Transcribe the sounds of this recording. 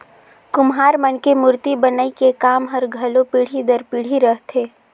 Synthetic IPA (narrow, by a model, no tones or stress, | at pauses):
kʊmɦaːɾmənkemʊɾt̪ibənaikekaːmɦəɾɡʱɐlopiɽ̤id̪əɾpiɽ̤iɾəɦt̪ʰeː